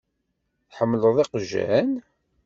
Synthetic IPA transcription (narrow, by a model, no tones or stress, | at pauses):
θħəmːləðˤiqʒːæ̰n